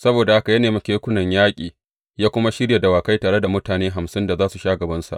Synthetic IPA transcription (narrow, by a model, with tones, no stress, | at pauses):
sɐ˦boː˨da˨ha˦ka˨jɐ˦neː˨ma˨kʲeː˦kʷʊ˦nɐ˨ɲjaː˦kʲʼiː˨ | jaː˦kʷʊ˦ma˦ʃɪ˦ɽja˨da˨waː˨ka˦jtaː˨ɽe˦da˨mʊ˦taː˨neː˦ɦa˨msɪ˦nda˨zaː˦su˨ʃaː˦ɡɐ˨bɐ˦nsa̰˨ʔ